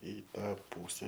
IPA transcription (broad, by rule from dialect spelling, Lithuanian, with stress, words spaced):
ɪ ˈtɑː ˈpuːsʲɛ